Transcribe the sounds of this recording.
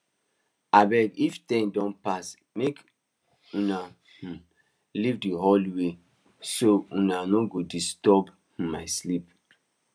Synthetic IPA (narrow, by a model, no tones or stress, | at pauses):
abɛɡiftɛ̃ndɔ̃npas | mek | ũna | h̩ | livdiɦoliwe | soũnanoɡodistɔb | h̩maɪslip